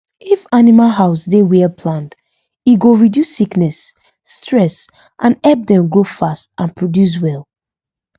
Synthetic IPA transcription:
ifanimalɦaʊsdewɛlpʰlãnt | iɡoɹidjusiknɛsː | tʰɹɛs | ʔãnɛlp̚dɛ̃mɡɹofast̚ʔãnpʰɹɔdjus̬wɛlˠ

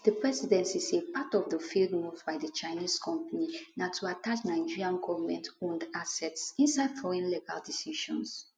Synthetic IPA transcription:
dəpɹɛsidɛ̃ntisepatɔvðəfildmuvdbaɪðət͡ʃaɪniskʰɔ̃mpaninatʰuatat͡ʃnaɪd͡ʒiɹiãnɡɔvəmɛ̃ntõndasɛtsĩnsaɪd̥fɔɹɛ̃nliɡa̰ldisiʃɔ̰̃ns

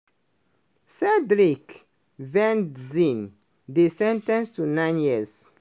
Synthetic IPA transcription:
sɛdɹik | vɛ̃ndzĩn | disɛ̃ntãnstunãɪ̃njiz

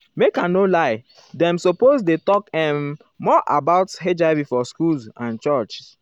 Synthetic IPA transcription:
mekãnolaɪ | dɛ̃msopozdetɔkɛ̃mː | ɔʔabaʊtɦed͡ʒaɪbifɔskulsãnt͡ʃɔt͡ʃ

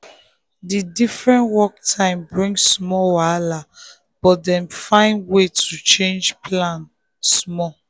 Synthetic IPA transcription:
didifɹɛ̃ntwɔk̚tʰãɪ̃mbɹĩŋsmɔwala | b̥ɔtdɛ̃mfãɪ̃ndwetʰut͡ʃẽnd͡ʒpʰlãn | smɔ

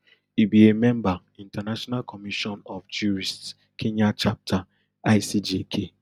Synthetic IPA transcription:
ibiemɛ̃mba | ĩntanaʃɔnalkɔmiʃɔ̃nɔfd͡ʒuɾist | kʰeɲat͡ʃap̚tʰa | aɪsid͡ʒekʰe

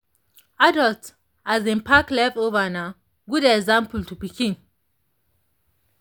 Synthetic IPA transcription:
adɔlt | azĩnpʰaklɛfovana | ɡudɛkzãmpəltʰubikʰĩn

